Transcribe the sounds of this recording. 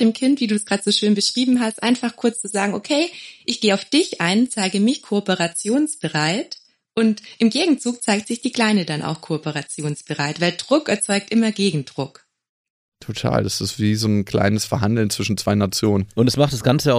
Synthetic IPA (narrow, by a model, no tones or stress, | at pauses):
d̥eːmkʰɪntv̥iːduːsɡ̥ʁaːdtz̥oːʃøːnbəʃʁ̥iːbm̩ɦastʔa̰ɪnfaχkʰʊɐt͡st͡suzaːɡŋ̩ʔokʰeɪʔɪçɡ̥eːaʊfd̥ɪçʔaɪnt͡saɪɡəmɪçkʰoɔpəʁat͡sjoːnsb̥əʁaɪt | ʔʊntʔɪmɡeːɡŋ̩t͡suːk̚t͡saɪk̚tz̥ɪçd̥iːkl̥aɪnədanʔa̰ʊxkʰoɔpəʁat͡sjoːnsb̥əʁaɪtv̥aɪldʁʊkɛɐt͡sɔʏk̚tʔɪmɐɡeːɡŋ̩d̥ʁʊk | tʰotʰa̰ːldasɪstv̥iːzoːnkʰl̥a̰ɪnəsfɛɐɦandl̩nt͡sv̥ɪʃn̩t͡sv̥aɪnat͡sjoːnənʔʊntɛsmaχtd̥asɡ̥ant͡səʊ